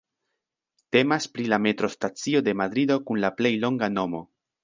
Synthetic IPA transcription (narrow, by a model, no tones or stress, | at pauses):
te̞maspɾilame̞t̪ɾo̞stat͡sio̞de̞mad̪ɾid̪o̞kunlaple̞jlo̞ŋɡano̞mo